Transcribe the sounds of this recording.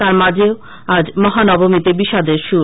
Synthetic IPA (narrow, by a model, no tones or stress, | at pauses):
t̪aɾmad͡ʑʱeo | ad͡ʑmɔɦanɔbomit̪ebiʃad̪eɾʃu